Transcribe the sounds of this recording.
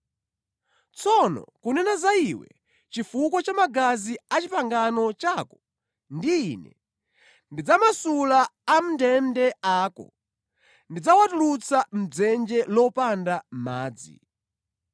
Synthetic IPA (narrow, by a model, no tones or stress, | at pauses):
t͡sɔnɔ̰kunɛnazaiwɛ̰ | t͡ʃifukɔt͡ʃamaɡaziat͡ʃipaŋɡanɔt͡ʃakɔ | ndiːnɛ̰ | ndid͡zamasulaːm̩dɛndɛaːkɔ̰ | ndid͡zawatulut͡sam̩d͡zɛnd͡ʒɛlɔpandam̩ma̰ːd͡zḭ